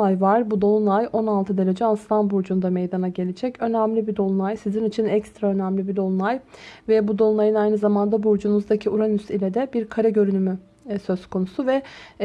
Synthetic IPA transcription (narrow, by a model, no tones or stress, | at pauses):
ajvaɾ̥bud̪o̞lˠunajʔo̞nalˠt̪ʰɯd̪eɾe̞d͡ʒɛanst̪anbuɾd͡ʒund̪amejd̪anaɟe̞lʲid͡ʒɛcø̞næmlʲibid̪o̞lˠunˠajsizinit͡ʃʰinɛcst̪ɾaø̞næmlʲibid̪o̞lˠunˠajvɛbud̪o̞lˠunajɯnajnɯzamand̪abuɾd͡ʒunuzd̪acʰiuɾanysilʲɛd̪ɛbiɾkʰaɾɛɟø̞ɾynymy | sø̞zkʰo̞nusuvɛ